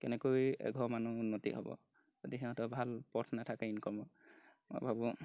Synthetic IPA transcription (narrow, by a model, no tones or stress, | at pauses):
kɛnɛkojɛ̰ɡʱɔmanuunːɔtḭɦɔ̰bɔ̰ | zodiɦɛɦɔ̃tɔbʱalpɔtʰnatʰakainkɔmɔ | mo̰jbʱabɔ